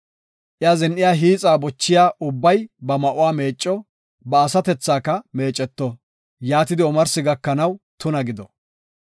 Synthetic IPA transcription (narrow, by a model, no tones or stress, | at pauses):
ʔɪazɛnʔɪjaːɦiːt͡sʼaːbɔt͡ʃːɪjaːʔʊbːɐjbɐmɐʔʊwaːme̞ːt͡ʃʼːɔ | bɐːsɐt̪ɛt͡sːaːkːɐme̞ːt͡ʃʼːɛt̪ːɔ | jaːt̪ɪd̪ɪɔmɐɾsɪɡɐkːɐnɐwt̪ʊnɐɡɪd̪ɔ